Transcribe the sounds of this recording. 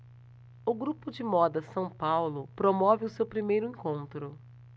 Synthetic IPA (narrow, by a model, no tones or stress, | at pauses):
ʊɡɾupʊd͡ʒɪmɔd̪ɐsɐ̃w̃pawlʊpɾomɔvɪʊsewpɾimejɾʊẽŋkõnt̪ɾʊ